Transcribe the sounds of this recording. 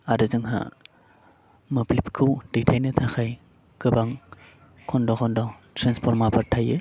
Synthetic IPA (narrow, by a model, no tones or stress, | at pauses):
aɾɯzɯŋɦa̰ | mɯplipkʰɯwd̥itʰajnɯtʰakʰaj | ɡɯbaŋ | kʰɔndɔkʰɔndɔtɾanspʰɔɾmapʰaɾtʰajɯ